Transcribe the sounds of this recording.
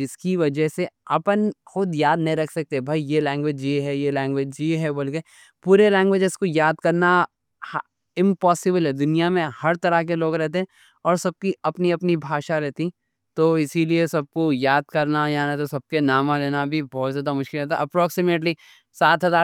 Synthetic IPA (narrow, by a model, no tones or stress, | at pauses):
ɪskiʋɐd͡ʒəɦseɐpənxʊd̪jaːd̪nɐɦĩɾɐkʰsɐk̚t̪eɛ̃bʱɐijelɛ̃ːŋɡʋed͡ʒiɦɛjelɛ̃ːŋɡʋed͡ʒiɦɛbɐlɡe | puːɾelɛ̃ːŋɡʋeːd͡ʒɪskojaːd̪kɐɾna | h | ɪ̃mpɔːsɪbəlɦɛd̪ʊnijamẽhɐɾt̪ɐɾakeloːɡɾɛɦt̪eɦɛ̃ | ɔːɾsɐb̚kiɐpniɐpnibʱaːʃaɾɛɦt̪i | t̪oɪsiliesɐb̚kojaːd̪̚kɐɾnajãnet̪osɐb̚kenaːmãleːnabʱibɔːt̪zjaːd̪amʊʃkɪlɦɛːt̪a̰ʔɐpɾɔːksɪmeːʈli | saːt̪ɦɐzaː